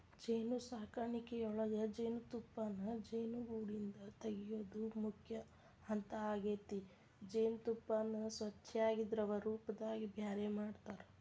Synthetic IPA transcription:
d͡ʒeːnusaːkaːɳikeɔɭɐɡɐd͡ʒeːnut̪upːanːɐd͡ʒeːnuɡuːɽind̪ɐt̪ɐɡijoːd̪umukʰjɐ | hɐnt̪ɐaːɡeːt̪i | d͡ʒeːnut̪upːaːnːusʋɐt͡ʃʰːɛaːɡid̪ɾɐʋɐɾuːpɐd̪aːɡibʱjaːɾemaːɖt̪aːɾe

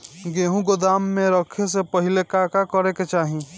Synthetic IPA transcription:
ɡeːɦũɡod̪aːmːẽɾəkʰesepɐɦɪlekaːkakəɾeket͡ʃaːɦĩ

